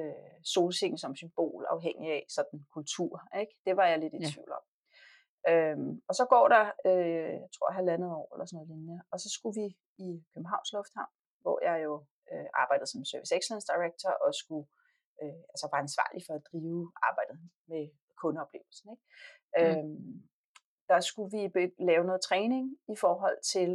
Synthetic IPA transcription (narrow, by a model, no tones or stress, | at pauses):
øso̝ːlseŋ̩sɒ̽msymb̥o̝̰ːlɑ̈ʊɦeŋ̰iæsɒ̽d̥n̩kʰult͡sʰuɐ̰eɡ̥d̥e̝ʋɑ̈jɑ̈ɪle̝d̥it͡sʰʋḭʊ̰lɒ̽m̰ | ømɒ̽sɒ̽ɡ̥ɒ̰ːɾɑ̈øjaɪt͡sʰʁo̝ɐ̰ɦælænð̩ˠɒ̰ːelʔɐsnɔðˠenəɒ̽sɒ̽sɡ̥uʋi | ikʰøb̥m̩ɦɑ̈ʊnslɔ̽fd̥hɑ̈ʊ̰n | ʋɒ̰jɑ̈ɪjo̝ | øʔɑ̈ːb̥ɑ̈ɪd̥ð̩ˠsɒ̽msøɐʋiseɡ̥slænsd̥ɑ̈ɪʁeɡ̥̚t͡sʰɐʔɒ̽sɡ̥u | øælsəʋɑ̈ænsʋɑ̰̈ːlifɒ̽æd̥ʁiːʊʔɑ̈ːb̥ɑ̈ɪ̰d̥ð̩ˠ | me | kʰɔ̽nəɒ̽b̥le̝ːʊl̩sn̩eɡ̥̚ | øm | d̥ɑ̈sɡ̥uʋibelɛːʊnɔ̽ːðˠt͡sʰʁɛːne̝ŋifɒːɦɒ̽l̰t͡sʰe̝l